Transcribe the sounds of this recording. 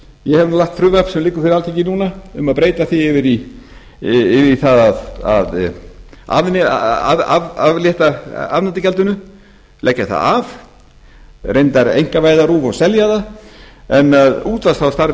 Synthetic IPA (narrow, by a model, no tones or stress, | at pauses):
jɛhɛvnulaht̪fɾʏvɛpsɛmlɪːkːʏɾfɪɾɪɾalt̪ʰicːɪnuːnaʏmaðpɾeːjt̪aθiɪvɪɾi | ɪvɪiθaðaða̰ð | a̰vn̰aavavljɛht̪aavnant̪ɪcɛlt̪ʏnʏ | lɛhcːaθa̰av | rejnt̪aɾḛjŋ̥kavaːjðaɾuːvawsɛljaða | ɛnaðuːt̪vast̪ʰawst̪aɾ